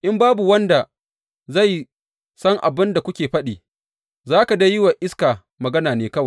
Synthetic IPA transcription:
ʔɪ˦mbaː˦bu˨wɐ˦nda˨ | za˦˨j | sɐ˦ŋʔa̰˨bɪ˦nda˨kʷʊ˦kʲeː˨ɸɐ˦ɗiː˨ | zaː˦ka˨dɐ˦jɪ˦wa˨ʔɪ˦skaː˨ | mɐ˨ɡɐ˦naː˨neː˨˦kɐ˦wa˨

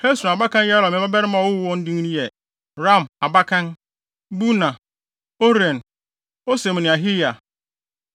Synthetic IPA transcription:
kʰɾe˦su˨a˨ba˦kã˦n˦jɛ˦a˦ɾɔ˨mɪ̃˨˦ba˦bɛ˦ɾɪ˦mã˨wʊ˦wɔ̃˦n̩˦dĩ˦ŋ˦nĩ˦jɛ˨ | ɾa˦˨ma˨ba˦kʰã˦n | bu˦nã˨ | o˦ɾɛ̃˨n | o˦se˨m˨nɪ̃˨a˨ɦɪ˦ja˨

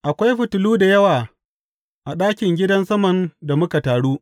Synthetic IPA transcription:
ʔa˨kʷa˦jɸɪ˨tʊ˨luː˦da˨jɐ˦waː˨ | ʔa˨ɗaː˦kʲɪ˨ŋɡʲɪ˦dɐ˦nsɐ˦mɐ˨nda˨mʊ˦ka˨taː˨ɽuː˦ʔ

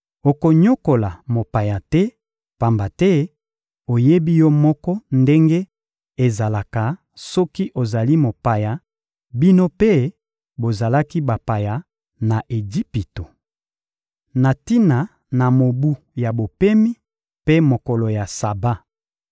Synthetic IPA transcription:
o˨ko˨ɲo˦ko˨la˨mo˨pa˨ja˨tɛ˦ | pa˨mba˨tɛ˦ | o˨je˦bi˦jɔ˦mɔ˦kɔ˦nde˦ŋɡe˦ | e˨za˨la˨ka˨ | sɔ˦ki˦ʔo˨za˨li˦mo˨pa˨ja˨ | bi˦no˦pe˦ | bo˨za˨la˦ki˦ba˨pa˨ja˨ | na˨ʔe˨ɡi˦pi˨to˨ | na˨ti˦na˨ | na˨mo˨bu˦ | ja˨bo˨pɛ˦mi˦ | pe˦mo˨kɔ˨lo˨ja˨sa˨ba˦

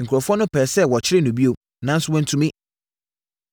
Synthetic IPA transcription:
ŋ̩˨kʰu˨ɾɔ˨fɔ˦nʊ̃˦pʰɛː˨sɛ˦˨wɔ˨t͡ɕʰɪ˦ɾɪ˦nũ˨bi˦o˨ | nã˦n̩˦sʊ˦wɛ̃˦n˦tʰu˨mĩ˦

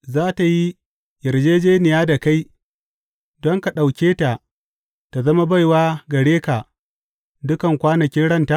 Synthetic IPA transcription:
zaː˦ta˨ji˦ | jɐ˨ɾd͡ʒeː˦d͡ʒeː˦nɪ˨jaː˦da˨ka˦j | dɔ˦ŋka˨ɗa˨wkʲeː˦ta˨ | ta˨zɐ˦ma˦ba˦˨jwaː˦ɡɐ˨ɽeː˦ka˨ | dʊ˦kɐ˨ŋkʷaː˦nɐ˨kʲɪ˦nɽɐ˦˨nta˦˨

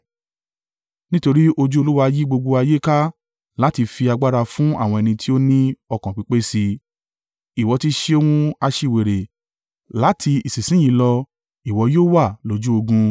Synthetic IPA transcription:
nĩ˦to˧ɾi˦ʔo˧d͡ʒu˦o˧lu˦wa˧ji˦ɡ͡bo˧ɡ͡bo˧a˧je˦ka˦ | la˨˦ti˧fi˧a˧ɡ͡ba˦ɾa˧fũ˦a˦˨w̃ɔ̃˧ɛ˧nĩ˧tʰi˦o˦nĩ˦ɔ˧kã˨k͡pi˨˧˦k͡pe˦si˧ | i˨wɔ˨˧ti˧˦ʃe˦o˧wũ˦a˧ʃi˧˨we˨ɾe˨ | la˨˦tʰi˧i˨sĩ˨sĩ˨˦j̃ĩ˨˦lɔ˧ | i˨wɔ˧˦joː˦wa˦˨lo˨˦d͡ʒu˦o˧ɡũ˧

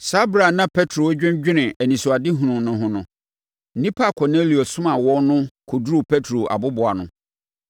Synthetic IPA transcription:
sa˦bɾa˨nã˦pʰɛ˦tʰɾo˨˦d͡ʑᶣɪ̃˦d͡ʑᶣɪ˦nɪ̃˨æ˨nĩ˨sʊ˨a˨dɪ˦ɦũ˨nʊ̃˨nʊ̃˦ɦʊ̃˦nʊ̃˨˦ | nĩ˦pʰa˦˨kʰɔ˨ne˦li˨o˨sʊ̃˦mã˨wɔ˦nʊ̃˦kʰo˨dɾu˨pʰɛ˦tʰɾo˨ʔa̰˨bʊ˦bʊ˨a˨nʊ̃˨

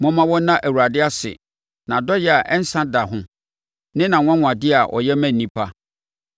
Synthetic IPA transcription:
mɔ̃˦mã˦wɔ˦nã˦ʔæ˨wu˨ɾa˨dɪ˦a˦sɪ̰˨ | nã˨dɔ˦jɛ˦˨a˨ʔɛ˦n̩˦sã˦da˨ɦʊ̃˦ | nɪ̃˦nã˨wʷã˦ŋʷ˨ã˨dɪ˦a˨ʔɔ̰˨jɛ˦mæ̃˦nː˨ĩ˦pʰa˦

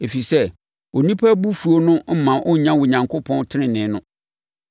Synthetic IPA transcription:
e˨fi˨sɛ˦ | o˨nĩ˦pʰa˦bu˦fu˨o˦nʊ̃˦m̩˦mã˨ʔɔ˦˨ɲã˦wʊ˨ɲã˨ŋkʰo˦pʰɔ̃˦ntʰɪ˦nɪ̃˨nɪ̃˨˦nʊ̃˦

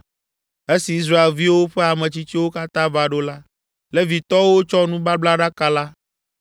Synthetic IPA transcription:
e˦si˨i˦s̬ɾa˦e˨lvi˦wo˦ɸe˦a˨mẽ˨t͡ɕi˦t͡ɕi˦wo˦ka˦t̪ã˦va˦ɖo˦la˦ | le˦vi˨t̪ɔ˦wo˦t͡ʃɔ˦nũ˦ba˦bla˦ɖa˦ka˦la˦

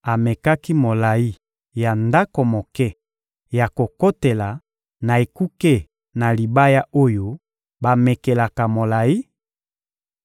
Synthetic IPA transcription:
a˨me˨ka˦ki˦mo˨la˨i˦ | ja˨nda˦ko˨mo˨kɛ˦ | ja˨ko˨ko˦te˨la˨ | na˨e˨ku˦ke˦ | na˨li˨ba˦ja˦ʔo˦jo˦ | ba˨me˨ke˨la˨ka˨mo˨la˨i˦

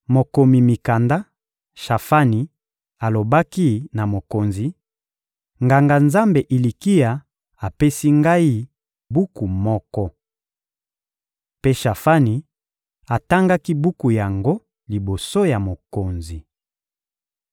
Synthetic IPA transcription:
mo˨ko˨mi˨mi˨ka˨nda˦ | ʃa˨fa˦ni˨ | a˨lo˨ba˦ki˦na˨mo˨ko˨nzi˨ | ŋɡa˨ŋɡa˨nza˦mbe˨ʔi˨li˨ki˦ja˨ | a˨pe˦si˦ŋɡa˦i˦ | bu˦ku˨mɔ˦kɔ˦ | pe˦ʃa˨fa˦ni˨ | a˨ta˦ŋɡa˦ki˦bu˦ku˨ja˨ŋɡo˦ | li˨bo˨so˦ja˨mo˨ko˨nzi˨

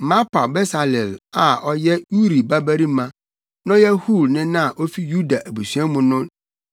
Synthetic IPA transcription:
mã˦pʰa˨bɛ˦sa˨lɛ˨la˨ɔ˦jɛ˦u˦ɾi˨ba˦bæ˦ɾi˦mã˦ | nã˦jɛ˦hu˦˨lnɪ̃˦nã˦a˨ʔo˦fi˦ju˦da˨ʔæ˨bu˨sɥã˦mʊ̃˨nʊ̃˦n

